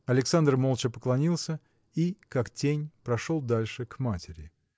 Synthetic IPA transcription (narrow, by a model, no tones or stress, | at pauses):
ɐlʲɪksand̪rmolˠt͡ɕəpə̥klˠɐnʲilˠsʲə | ikaktʲenʲpɾɐʂolˠd̪alʲʂɨkmatʲɪɾʲɪ